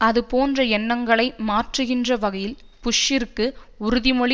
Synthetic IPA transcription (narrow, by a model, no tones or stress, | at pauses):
ɐðɯpoːndrɐɛnːɐŋɡɐɭɐɪmaːʈrɯɣɪndrɐʋɐɣɐjɪl | pʊʂːɪɾkːɯ | ʊɾʊðɪmɔɭ